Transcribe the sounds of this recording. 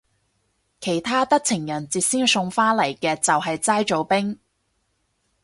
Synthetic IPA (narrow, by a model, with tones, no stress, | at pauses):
kʰe˨˩jt̪ʰaː˥t̪ɐ˥k̚t͡sʰɪ˨˩ŋjɐ˨˩nt͡siː˨t̚siː˥ŋsʊ˧ŋfaː˥lɐ˨˩jkɛː˧t͡sɐ˨wɦɐ˨jt͡saː˥jt͡ʃo˨˧wpɪ˥ŋ